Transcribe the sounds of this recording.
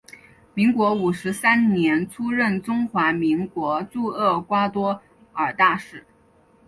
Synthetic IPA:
mi˧˥ŋkwɔ˧˥u˨˩ʂɻ̩˧˥sa˥nnjɛ˧˥nʈ͡ʂʰu˥ɻə˥˩nʈ͡ʂʊ˥ŋxwa˧˥mi˧˥ŋkwɔ˧˥t͡su˥˧ɤ˥˩kwa˥t̪wɔ˥ | ə˞˨˩t̪a˥˧ʂɻ̩˥˩

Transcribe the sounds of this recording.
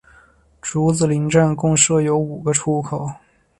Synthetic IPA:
ʈ͡ʂu˧˥t͡sɹ̩˨˩li˧˥ŋʈ͡ʂa˥˩nkʊ˥˧ŋʂɤ˥˩jo˧˥ʊu˨˩ɡə˦ʈ͡ʂʰu˥kʰo˨˩˦ʊ

